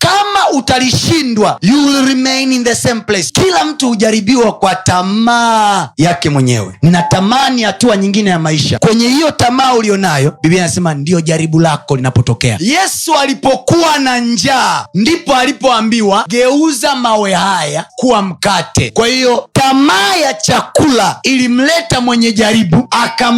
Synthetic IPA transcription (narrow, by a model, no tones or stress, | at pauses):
kamautaliʃindwajulɾimejninðɛsɛmplɛskilam̩tuhuʄaɾiɓiwakwatamajakɛmwɛɲɛ̰wɛ̰nnatamanihatuaɲiŋɡinɛjamaiʃa̰kwɛɲɛhijɔtamaːulijɔnajɔbibianasɛmandijɔʄaɾiɓulakɔlinapɔtɔkɛa̰jɛsualipɔkuwanaɲd͡ʒaːndipɔalipɔambiwaɡɛuzamawɛhajakuwam̩katɛkwahijɔtamaːjat͡ʃakulailim̩lɛtamwɛɲɛʄaɾiɓuaka